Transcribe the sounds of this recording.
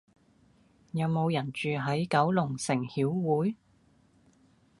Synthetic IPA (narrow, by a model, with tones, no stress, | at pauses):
jɐ˨˧wmo˨˧wjɐ˨˩nt͡ʃyː˨ɦɐ˨˥jkɐ˨˥wlʊ˨˩ŋsɪ˨˩ŋhiː˨˥wwuː˨˥j